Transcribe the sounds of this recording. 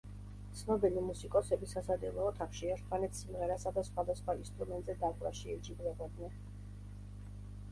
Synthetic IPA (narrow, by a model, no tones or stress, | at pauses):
t̪sʰnɔbilimusikʼɔsɛbisasad̪ɛlˠɔːt̪ʰaχʃiɛɾt̪ʰmanɛt̪ʰsimʁɛɾasad̪asχwad̪asχwainst̪ʼɾumɛnt̪ʼzɛd̪akʼɾa̰ʃiɛd͡ʒiblɛbɔd̪nɛn